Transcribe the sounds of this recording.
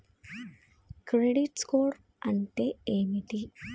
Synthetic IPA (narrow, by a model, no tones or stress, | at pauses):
kɾeɖiʈskoːɾ | ɐnʈ̪eemiʈi